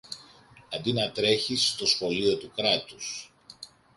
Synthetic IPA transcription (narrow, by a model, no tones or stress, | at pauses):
ɐnd̪inɐt̪ɾe̞çist̪o̞sxo̞lio̞t̪ukɾɐt̪us